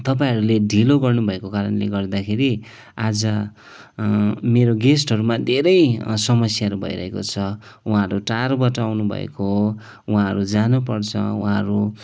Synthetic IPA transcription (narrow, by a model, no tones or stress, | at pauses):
t̪ʌp̬aĩɦʌɾuleɖʱiloɡʌrnubʱʌekokaɾʌnleɡʌrd̪akʰeɾi | ad͡zʌ | meɾoɡesʈʌɾumad̪ʱeɾʌjsʌmʌsjaʌɾubʱʌ̰iɾʌ̰ɦekot͡sʰʌ | uɦãʌɾuʈarbʌʈawnubʱʌ̰ḛko | wɦãʌɾud͡zanupʌrt͡sʰʌ̰uɦãʌɾu